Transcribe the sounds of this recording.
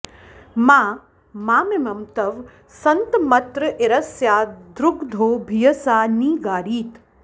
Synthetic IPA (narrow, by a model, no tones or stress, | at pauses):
maː | maːmemɐmt̪ɐʋ | sɐnt̪mɐt̪ɾəʔeɾɐsjaːd̪ɾʊkd̪ʱoːbʱijɐsaːniːɡaːɾiːt̪